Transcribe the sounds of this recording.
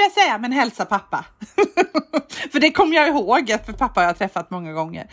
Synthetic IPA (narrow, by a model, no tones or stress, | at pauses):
ljasɛjːamɛnɦɛlsapʰapːa̰ | fœɖɛkʰɔmːəjɑɪɦoːɡat̪pʰapːahajaːt̪ʰɾɛfːat̪mɔŋːaɡɔŋːə̰ɾ